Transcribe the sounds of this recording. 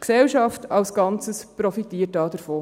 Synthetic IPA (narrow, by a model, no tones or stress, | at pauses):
ksɛlʃɑftɑlsɡ̥ɑnt͡səspɾɔfitiːət̚dɑːd̥əɾfoː